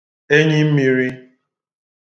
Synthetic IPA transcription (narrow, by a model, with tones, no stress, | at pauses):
e˦ɲɪ˦m̩˦mi˨ɾi˦